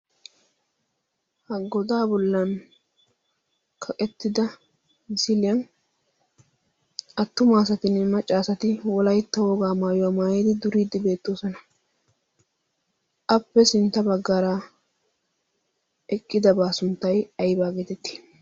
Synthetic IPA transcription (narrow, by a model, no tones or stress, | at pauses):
hɐɡɔd̪aːbɔlːɐn | kʰɐkʼɛt̪ːɪd̪ɐ | zɪlɪɐn | ɐt̪ːʊmaːsɐt̪ɪnɛmɐt͡ʃʼːaːsɐt̪ɪwɔlɐjt̪ːɐwoːɡaːmaːjɔwamaːjeːd̪ɪd̪ʊɾiːd̪ɪbe̞ːt̪ːoːsɔnɐ | ʔɐpːɛsɪnt̪ːɐbɐɡːɐɾa | ɛkʼːɪd̪ɐbaːsʊnt̪ːɐjɐjbaːɡeːt̪ɛt̪ːi̥